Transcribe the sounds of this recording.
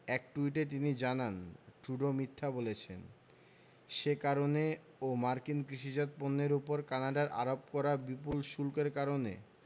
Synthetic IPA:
ɛk̚ʈuiʈ̬et̪̬inid͡ʑananʈɾuɖomit̪ʰːabolet͡ɕʰḛn | ʃekaɾone | omaɾkinkɾiʃid͡ʑɔt̪̚ponːeɾupoɾkanaɖaɾʔa̰ɾop̚kɔɾabipulʃulkeɾkaɾonḛ

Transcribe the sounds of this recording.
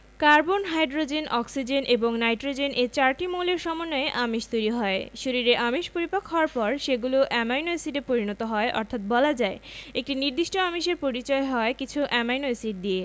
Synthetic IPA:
kaɾbonɦajɖɾod͡ʑenʔɔksid͡ʑenʔeboŋnajʈɾod͡ʑenʔet͡ɕaɾʈimowleɾʃɔmonːoeʔamiʃt̪ojɾiɦɔeʃoɾiɾeʔamiʃpoɾipakɦɔaɾpɔɾʃeɡuloʔɛmajnojsiɖepoɾinɔt̪oɦɔeʔɔ̰ɾt̪ʰat̪̚bɔlad͡ʑaeek̚ʈiniɾd̪iʃʈoamiʃeɾpoɾit͡ɕɔeɦɔekit͡ɕʰuʔɛmajnojsiɖ̚d̪ie

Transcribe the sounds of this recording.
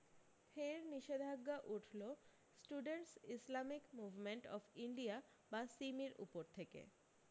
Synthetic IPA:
fʰeɾniʃed̪ʱaɡːaʔuʈʰlo | sʈuɖeɳʈsislamikmubʱmeɳʈɔ̰fiɳɖia | basimiɾṵpoɾt̪ʰekḛ

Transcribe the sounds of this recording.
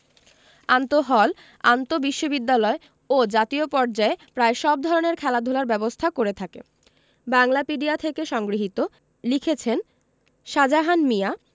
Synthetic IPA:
ant̪oɦɔl | ant̪obiʃːobid̪ːalɔe | od͡ʑat̪iopɔɾd͡ʑaepɾaeʃɔb̚d̪ʱɔɾoneɾkʰɛlad̪ʱolaɾbɛbost̪ʰakoɾet̪ʰakḛ | baŋlapiɖiat̪ʰekeʃɔŋɡɾiɦit̪o | likʰet͡ɕʰen | ʃad͡ʑaɦanmija

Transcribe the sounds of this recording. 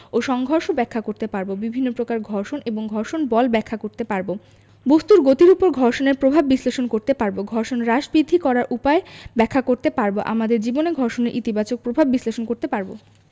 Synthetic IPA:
oʃɔŋɡʱɔɾʃobɛkʰːakoɾt̪epaɾbobibʱinːopɾokaɾɡʱɔɾʃoneboŋɡʱɔɾʃonbɔlbɛkʰːakoɾt̪epaɾbo | bost̪uɾɡot̪iɾupoɾɡʱɔɾʃoneɾpɾobʱabːisleʃonkoɾt̪epaɾboɡʱɔɾʃonɾaʃbɾid̪ʱːikɔɾaɾʔupaebɛkʰːakoɾt̪epaɾboʔa̰mad̪eɾd͡ʑiboneɡʱɔɾʃoneɾʔit̪ibat͡ɕok̚pɾobʱabːisleʃonkoɾt̪epaɾbo

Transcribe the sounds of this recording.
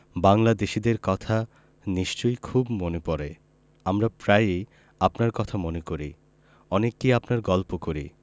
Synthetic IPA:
baŋlad̪eʃid̪eɾkɔt̪ʰa | niʃt͡ɕojkʰubmonepɔɾe | amɾapɾaje | apnaɾkɔt̪ʰamonekoɾḭ | ɔnekːiapnaɾɡɔlpokoɾḭ

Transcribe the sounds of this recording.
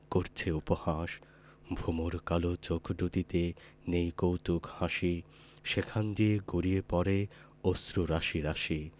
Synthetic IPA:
koɾt͡ɕʰeupohaʃ | bʱumoɾkalot͡ɕokʰɖut̪it̪e | nejkowt̪ukhãʃi | ʃekʰand̪ieɡoɾiepɔɾe | ost̪ɾuɾaʃiɾaʃi

